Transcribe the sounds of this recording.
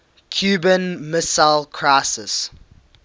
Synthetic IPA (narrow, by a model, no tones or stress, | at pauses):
kʰjuːbə̃nmɪsaɪlkʰɹaɪsɪ̰s